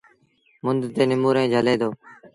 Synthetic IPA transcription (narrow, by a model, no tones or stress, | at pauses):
mʊnd̪t̪eːnɪmuːɾẽːd͡ʒʱəleːd̪oː